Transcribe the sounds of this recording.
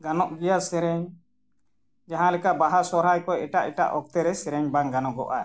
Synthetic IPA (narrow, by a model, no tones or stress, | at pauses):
ɡanɔʔɡijasɛɾɛɲ | d͡ʒaɦãlɛkaʔbaɦasɔɾɦajkɔɛʈaʔɛʈa̰ʔɔk̚t̪ɛɾɛsɛɾɛɲbaŋɡanɔɡɔ̰ʔa